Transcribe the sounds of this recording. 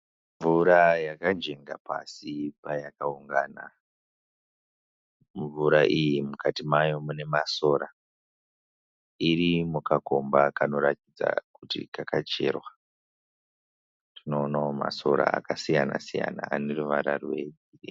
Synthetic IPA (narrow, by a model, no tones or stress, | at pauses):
ɱvuɾajakand͡ʒe̞ŋɡapa̰sipajakauŋɡaːna̰ | ɱvuɾaʔijimukatimajo̞mune̞maso̞ɾa | iɾimukako̞mbakano̞ɾatid͡za̰kutḭkakat͡ʃe̞̰ːrwa | tinoːnaoma̰so̞̰ɾa̰ːkasijana̰sija̰na̰ːne̞ruʋaɾarwe | iri